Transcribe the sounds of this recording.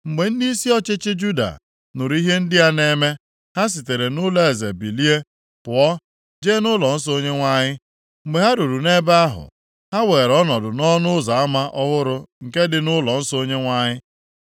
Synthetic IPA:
ŋ͡m̩˨ɡ͡be˨n̩˦di˦i˦si˦ɔ˦t͡ʃɪ˦t͡ʃɪ˦d͡ʒu˦da̰˨ | nʊ˨ɾi˦ɦe˦n̩˦dɪ˦a˦ne˦me˦ | ha˦s̬i˨te˨ɾe˨nʊ˦le˦e˨ze˨bi˨li˦e˦ | pʊ˨ɔ˦ | d͡ʒeː˦nʊ˦lɔ˨n̩˦s̬o˦ɲe˦ŋʷa˦ɲɪ˦ | ŋ͡m̩˨ɡ͡be˨ɦa˦ɾu˨ɾu˨ne˦ba˦a˦ɦʊ̰˨ | ha˦we˨ɾɔ˦nɔ˨dʊ˨nɔ˦nʊ˦za˨a˦ma˦ʔɔ˦ɣʊ˦ɾʊ˦˨ŋ̩˨ke˦dɪ˨nʊ˦lɔ˨n̩˦so˦ɲe˦ŋʷa˦ɲɪ˦

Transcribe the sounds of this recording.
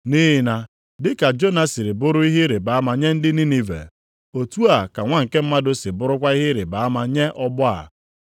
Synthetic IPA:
ni˦ɦɪ˨na˨ | dɪ˦ka˨d͡ʒo˦na˦si˨ɾɪ˨bʊ˦ɾʊ˦i˦ɦɪ˦ɾɪ˨ba˨a˦ma˨ɲe˦n̩˦dɪ˦ni˦ni˨vḛ˨ | o˨tu˦a˨ka˨ŋʷa˦ŋ̩˨ke˦m̩˦ma˦dʊ˦sɪ˨bʊ˦ɾʊ˦kʷa˦i˦ɦɪ˦ɾɪ˨ba˨a˦ma˨ɲe˦ʔɔ˦bʊ˦a̰˨

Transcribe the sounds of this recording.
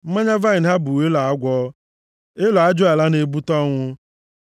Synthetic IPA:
m̩˦ma˦ɲa˦va˦i˨n˨ɦa˦bu˨we˦la˨a˦ɡʷɔ˦ | e˦lɔ˨a˦d͡ʒʊ˦a˨la˦ne˨bu˦tɔ˦ŋʷʊ˦

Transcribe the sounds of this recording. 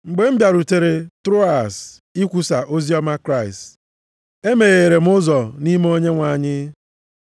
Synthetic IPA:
ŋ͡m̩˨ɡ͡be˨m̩˦bja˨ɾu˨te˨ɾe˨tɾo˦a˨s | i˦kʷu˨sa˨ʔo˦zi˦ɔ˦ma˦kɾa˦˨ɪ˨st | e˦me˨ɣe˨ɾe˨m̩˦ʊ˦zɔ˨ni˦m˦o˦ɲe˦ŋʷa˨ɲɪ˦

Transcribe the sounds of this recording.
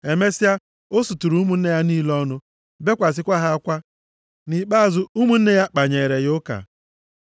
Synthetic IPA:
e˨me˦si˦ja˦ | o˦su˨tu˨ɾu˨˦u˦mu˦n̩˦ne˦ja˦niː˦lɔ˦nʊ˦ | be˦kʷa˨s̬ɪ˦kʷa˦ɦa˦kʷa˦ | ni˨k͡pa˦˨zʊ˦u˦mu˦n̩˦ne˦ja˦k͡pa˨ɲe˨ɾe˨ɣʊ˦ka̰˨

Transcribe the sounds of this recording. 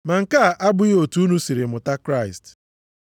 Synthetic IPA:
ma˨ŋ̩˨ka˦˨ʔa˦bʊ˦o˨tu˦nu˦si˨ɾɪ˨mʊ˨ta˦kɾa˦˨ɪ˨st

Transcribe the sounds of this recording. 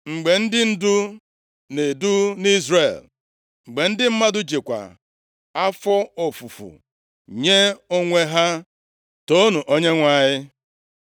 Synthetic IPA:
ŋ͡m̩˨ɡ͡be˨n̩˦dɪ˦n̩˦dʊ˦ | ne˨du˦ni˦zre˨l | ŋ͡m̩˨ɡ͡be˨n̩˦dɪ˦m̩˦ma˦dʊ˦d͡ʒe˨kʷa̰˨ | a˦fɔ˦o˨fu˨fṵ˨ | ɲe˦o˦ŋʷe˦ɦa˦ | to˦nu˨ʔo˦ɲe˦ŋʷa˨ɲɪ˦

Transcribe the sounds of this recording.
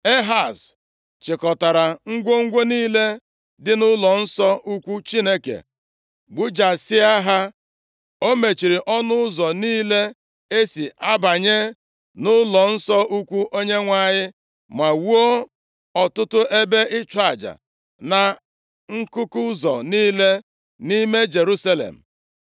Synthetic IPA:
e˦ɦa˨s | t͡ʃɪ˨kɔ˨ta˨ɾa˨ŋ̩˦ɡʷo˦ŋ̩˦ɡʷo˦niː˦le˦ | dɪ˦nʊ˦lɔ˨n̩˦sɔ˦ʔu˦kʷu˦t͡ʃi˦ne˦kḛ˨ | ɡ͡bu˦d͡ʒa˨sɪ˦a˦ɦa˦ | o˦me˨t͡ʃi˨ɾi˨ʔɔ˦nʊ˦zɔ˨niː˦le˦ | e˦si˨ʔa˦ba˨ɲe˦ | nʊ˦lɔ˨n̩˦sɔ˦ʔu˦kʷu˦ʔo˦ɲe˦ŋʷa˦˨ɲɪ˦ | ma˨wu˦o˦ | ɔ˨tʊ˦tʊ˦ʔe˦be˦ʔɪ˦t͡ʃʷa˨d͡ʒa̰˨ | na˨ | ŋ̩˦kʊ˦kʊ˦zɔ̰˨niː˦le˦ | ni˦me˦d͡ʒe˨ɾu˦sa˦lḛ˨m̩˨

